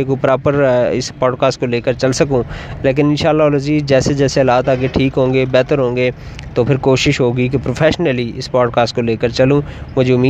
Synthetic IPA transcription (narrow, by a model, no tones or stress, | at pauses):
ekopɾaːpəɾɪsbaːɖkaːsʈ̚koleːkəɾt͡ʃɐlsɐkũːleːk̬ɪnɪnʃaːlːaləd͡ʒiːd͡ʒɛːsed͡ʒɛːseəlaːt̪aːɡeʈʰiːkɦõːŋɡeːbɛːt̪əɾɦõːŋɡeː | t̪oːpʰɪɾkoːʃɪʃɦoːɡik̬epɾoːpʰɛːʃnəliɪsbaːɖkaːsʈkoleːkəɾt͡ʃɐlũːmʊd͡ʒʱeʊmiː